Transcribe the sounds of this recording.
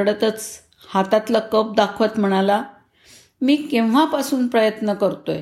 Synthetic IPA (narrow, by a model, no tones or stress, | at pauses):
ɽət̪ət͡s | hat̪at̪lakəp̚d̪akʰʋət̪m̤əɽ̃ala | miːkẽwʋ̤apasuːnpɾəjət̪nəkəɾt̪oj